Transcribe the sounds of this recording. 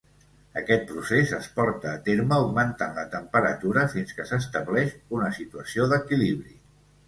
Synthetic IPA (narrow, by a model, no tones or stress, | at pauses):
əkɛt̪̚pɾusezəspɔɾt̪əːt̪eɾməːwɡmənt̪ənlət̪əmpəɾət̪uɾəfinskəsəst̪əβlɛʃunəsit̪uəsioðəkiliβɾi